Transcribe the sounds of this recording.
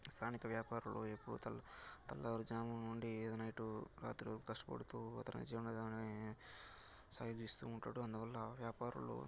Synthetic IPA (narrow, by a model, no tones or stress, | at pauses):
st̪ʰaːnikɐʋjaːpaːɾɐluepːuɽṵt̪ɐt̪ɐlːɐʋɐɾud͡ʒaːmunuɳɖied̪ɐnɐjʈuɾa̰ːt̪ɾikɐsʈɐpo̰ɽut̪uːɐ̰t̪ɐnnḭd͡ʒiːʋɐnɐd̪ni | saːjod͡ʒist̪uːɳʈaːɽuɐnd̪uʋɐlːɐʋjaːpaːɾɐ̰lṵ